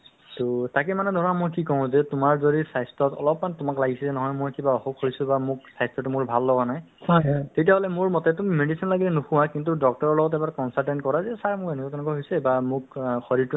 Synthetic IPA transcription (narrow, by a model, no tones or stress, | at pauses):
tʊtak̬ɛmanɛdʱɔɹɔnamojkikɔʊ̃zɛtʊmaɹzoɹisajstɔtɔ̰lɔpmantʊmaklaɡisilɛnɔɦɔjmojkibaɔxɔp̚kʰoɹisʊ̃bamʊk̚sajstɔtumʊɹbʱalːɔɡanaj | hɔjtetiaɦɔlɛmʊɹmɔtɛtumimedisinlaɡilɛnuxʊwakint̬udɔk̚tɔɹɔɹlɔɡɔtɛbaɹkɔnsaltɛntkɔɹazɛsaɹmʊɹenɛkɔjtɛnɛkɔaɦojsɛbamʊkxɔɾiɹtu